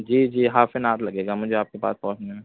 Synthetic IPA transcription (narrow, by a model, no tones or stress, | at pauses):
d͡ʒiːd͡ʒiːɦaːfɪnaːt̪lɐɡeːɡamʊd͡ʒʱeaːp̚kepa̰ːspɔːsẽ